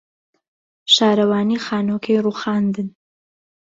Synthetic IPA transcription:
ʃɑːɾɐwɑːnixɑːnoːkʰeɾuːxɑːnd̪ɨn

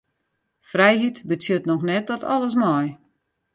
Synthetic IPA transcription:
frɛjɦitbət͡sjøtnɔxnɛt̚dɔtʰɔ̰lˠəs̬mɔj

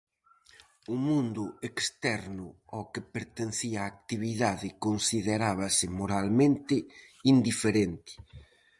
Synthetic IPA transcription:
ʊmũnd̪ʊekst̪ɛɾnʊɔkɪpeɾt̪en̟θiaːk̚t̪iβiðaðɪkonsiðeɾaβɐsɪmoɾalmẽnt̪ɪ | ind̪ifeɾent̪ɪ̥

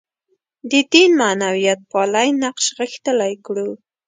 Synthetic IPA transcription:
d̪əd̪inmanawijat̪̚pɑlajnaqʃɣəxt̪əlajkɽu

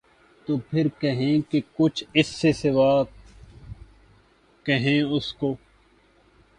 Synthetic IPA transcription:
t̪oːpʰɪɾkəɦẽːkekʊt͡ʃʰɪsːesɪʋaː | kəɦẽːʊskoː

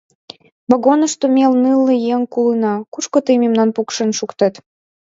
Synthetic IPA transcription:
βoɣonə̆ʃt̪omʲelnɨlːəjeŋkulɨnɑkuʃkot̪ɨmemnɑnpukʃə̆nʃukt̪ə̆t̪

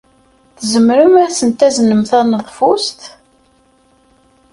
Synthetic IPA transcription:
θəzəmɾumæsənt̪æzənəmθɑnəðˤfʊst̪

